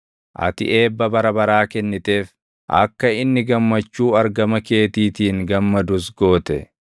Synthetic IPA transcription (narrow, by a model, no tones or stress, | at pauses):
ʔɐ̰t̪ɪ̰ʔe̞ːbːɐbɐɾɐbɐɾaːkɛnːɪt̪e̞ːf | ʔɐ̰kːɐɪnːɪɡɐmːɐt͡ʃːuːɐɾɡɐmɐke̞ːt̪iːt̪iːŋɡɐmːɐd̪ʊs̬ɡo̞ːt̪ɛ